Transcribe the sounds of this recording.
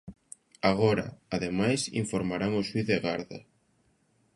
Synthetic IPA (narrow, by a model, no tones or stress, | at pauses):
aɣɔɾɐ̰aðemajsḭɱfoɾmaɾaŋʊswiθðeɣaɾðɐ̰